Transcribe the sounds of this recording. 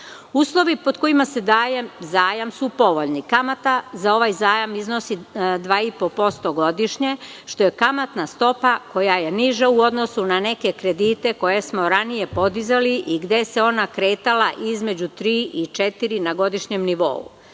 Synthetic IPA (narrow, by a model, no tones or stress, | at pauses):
uːslˠo̞ʋipo̞d̪ko̞imase̞d̪aːjezaːjamsupo̞ʋo̞ʎnikamat̪azao̞ʋajzaːjamizno̞sid̪ʋaːipo̞po̞st̪o̞ɡo̞d̪iʃɲe | ʃt̪o̞je̞kamat̪nast̪o̞pako̞jaje̞niʒauo̞d̪no̞sunane̞ke̞kɾe̞d̪iːt̪e̞ko̞je̞smo̞ɾanije̞po̞d̪izaliʔiɡd̪e̞se̞o̞nakɾe̞ːt̪alaʔizme̞d͡ʑut̪ɾiːʔit͡ʃe̞t̪iɾinaɡo̞d̪iʃɲe̞mniʋo̞̰ṵ